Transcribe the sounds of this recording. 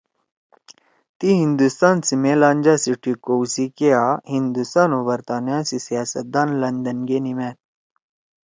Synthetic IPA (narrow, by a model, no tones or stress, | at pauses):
t̪iɦĩnd̪ust̪aːnsimeːlãːnd͡ʒaːsiʈikoːwsikeaːɦind̪ust̪aːnoːbɐɾt̪aːnjãːsisijaːsɐt̪̚d̪aːnlɐnd̪ɐnɡeːnimɛːt̪̚